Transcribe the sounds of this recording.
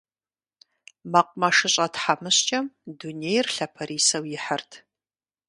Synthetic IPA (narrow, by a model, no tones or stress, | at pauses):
mɐqʷʼmɐʂɨɕʼɐtħamɨɕt͡ʃʼɐmduneːjrɬɐpʰɐɾiːsɐwjɪħɐrtʰ